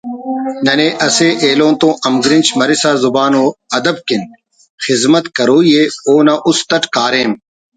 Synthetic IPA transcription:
nɐneːʔɐseːʔeːlõːnt̪õːʔɐmɡɾint͡ɕʰmɐɾisaːzʊbaːnoːɐd̪ɐb̚kin | xɪzmɐt̪kɐɾoːjeːoːnɐʔʊst̪ɐʈkaːɾeːm

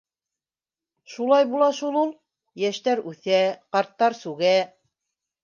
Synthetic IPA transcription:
ʃulˠɑjbulˠɑʃulˠulˠ | jæʃt̪æɾʉθæqɑɾt̪ːɑɾsʉɡæ

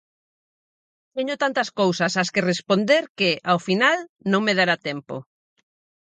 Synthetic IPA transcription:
t̪eɲot̪ant̪ɐskowsɐsaskerespond̪eɾkeʔawfinalnõŋmeð̞aɾat̪ɛmpo̰

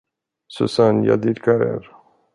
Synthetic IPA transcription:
susanja̰d̪iɾkaɾɛ̰ɾ

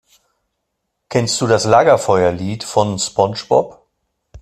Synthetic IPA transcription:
kʰɛnst̚d̥uːdaslaːɡɐfɔʏɐliːtfɔnspɔnʃbɔ̰p

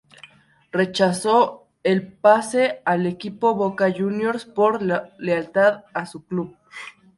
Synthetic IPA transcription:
ret͡ʃaso | elpasealekipoβokaʝunjoɾspoɾlalealt̪aðasukluβ

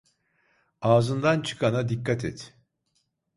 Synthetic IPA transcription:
aːzɯnd̪ant͡ʃʰɯ̥kʰanad̪ikːat̪ʰɛt̪ʰ

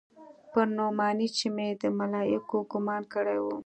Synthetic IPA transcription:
pəɾnomɑnit͡ʃimed̪əmalɑjɪkoɡʊmɑnkəɽajwu

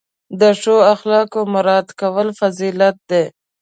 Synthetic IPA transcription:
d̪əʂoaxlɑkamʊɾɑd̪kawəlfazilat̪̚d̪e

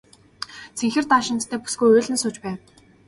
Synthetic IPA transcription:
t͡sʰeŋxɘ̆rt̪aːʃɪ̆nt̪t̪ʰæːpu̥sɡujʊːɮʲɘ̆nsʊːt͡ɕpæːw

